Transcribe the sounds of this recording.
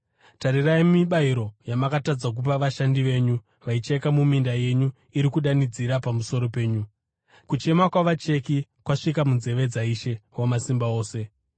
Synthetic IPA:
taɾirajemiɓaiɾo̞jamakatad͡zak̬up̬aʋaʃandiʋe̞ːɲu | ʋait͡ʃaikamumindaje̞ɲu | iɾikuɗanid͡ziɾapamuso̞ɾo̞pe̞ːɲu | kut͡ʃe̞makwaʋat͡ʃe̞kikwaʂikamunze̞ʋe̞d͡zaiʃe̞wamasimbao̞ːse̞

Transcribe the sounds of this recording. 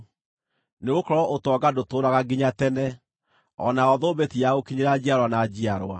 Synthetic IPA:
neɣokɔɾɔʔotwɔɡadotoːɾaɣaɡiɲatɛnɛ | ɔ̰naɔðobetijaokiɲeɾad͡ʑiaɾwanad͡ʑiaɾwa̰

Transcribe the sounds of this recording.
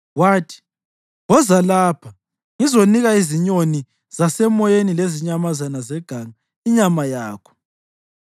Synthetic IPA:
waːtʰi̥ | ɣɔzalaːpʰa | ŋizoniɣaiziɲoni | z̥asɛmɔjenileziɲamazanazɛɡ̥ʱaŋa | iɲamajaːkʰɔ̥

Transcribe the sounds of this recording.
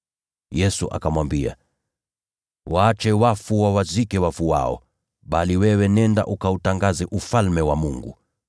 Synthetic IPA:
jɛsuʔa̰kamwambia̰ | waːt͡ʃɛwafuwawazikɛwafuwa̰ɔ̰ | ɓaliwɛwɛnɛnda̰ʔukautaŋɡazɛʔufalmɛwamuŋɡṵ

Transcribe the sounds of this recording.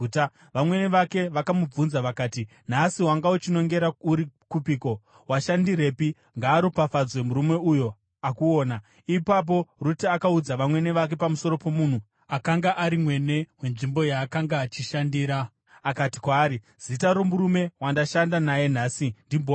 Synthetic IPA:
ta | ʋamwe̞neʋake̞ʋakamub͡vunzaʋakaːti | n̤asiɦwaŋɡaut͡ʃino̞ŋɡe̞ɾauɾikupiːko̞ | waʃandiɾe̞ːpi | ŋɡaːɾopafad͡zwe̞muɾume̞ujo̞ | akuo̞ːna | ipap̬o̞rutiakaud͡zaʋamwe̞ne̞ʋak̬e̞pamuso̞ɾo̞po̞mun̤u | akaŋɡaʔaɾimwe̞ne̞we̞nʐimbo̞jaːkaŋɡaːt͡ʃiʃandiːɾa | akati̥kwaːɾi | z̥itaɾo̞muɾume̞wandaʃandanaje̞n̤aːsindimbo

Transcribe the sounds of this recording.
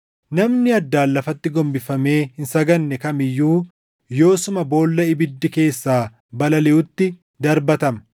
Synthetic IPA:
nɐmnɪɐd̪ːaːlːɐfɐt̪ːɪɡɔmbɪfɐme̞ːhɪnsɐɡɐnːɛkɐmɪjːuː | jo̞ːsʊmɐbo̞ːlːɐɪbɪd̪ːɪke̞ːsːaː | bɐlɐlɛʊt̪ːɪ | d̪ɐɾbɐt̪ɐmɐ

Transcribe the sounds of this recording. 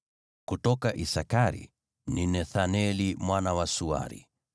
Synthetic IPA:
kutɔkaʔisakaɾḭ | ninɛθanɛlimwanawasua̰ɾḭ

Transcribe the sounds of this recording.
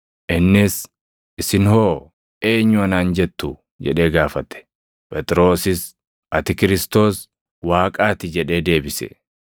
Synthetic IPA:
ʔɪnːɪs | ʔɪsɪnhoː | ʔe̞ːɲːʊɐnaːnd͡ʒɛt̪ːʊ | d͡ʒɛ̰ᶑe̞ːɡaːfɐt̪ːɛ̥ | pʼɛt̪ʼɪɾo̞ːsɪs | ɐt̪ɪkɪɾɪst̪o̞ːs | waːkʼaːt̪ɪd͡ʒɛᶑe̞ːd̪e̞ːbɪsɛ̰

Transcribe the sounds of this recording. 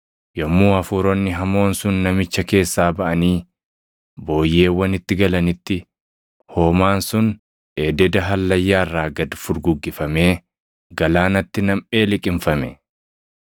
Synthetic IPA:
jɔmːuːɐfuːɾɔnːɪɦɐmo̞ːnsʊnːɐmɪt͡ʃːɐke̞ːsːaːbɐʔɐniː | bo̞ːjːe̞ːwːɐnɪt̪ːɪɡɐlɐnɪt̪ːɪ | ho̞ːmaːnsʊn | eːd̪ɛd̪ɐɦɐlːɐjːaːrːaːɡɐd̪fʊɾɡʊɡːɪfɐme̞ː | ɡɐlaːnɐt̪ːɪnɐmʔe̞ːlɪkʼɪɱfɐmɛ

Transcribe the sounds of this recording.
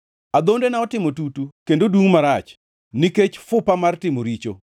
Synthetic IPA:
ad̪ondenaɔtɪmotutukendoduŋmaɾat͡ʃ | niket͡ʃfʊpamartɪmoɾit͡ʃo̰

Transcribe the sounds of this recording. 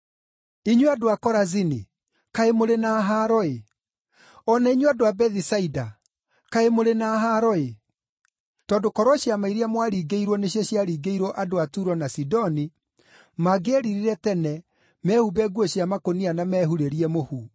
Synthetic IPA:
iɲweadoakɔɾazini | kaemoɾenaɦaɾɔe | ɔnaiɲwadoabɛðisaida | kaemoɾenaɦaɾɔe | tɔːdokɔɾwɔɕjamaiɾiamwaɾiːɡeiɾwɔneɕjaɕjaɾiːɡeiɾɔʔadoatuɾɔnasidɔni | maɡeaɾiɾiɾɛtɛnɛ | mɛhubɛɡwɔɕjamakonianamɛhuɾeɾiɛmohu

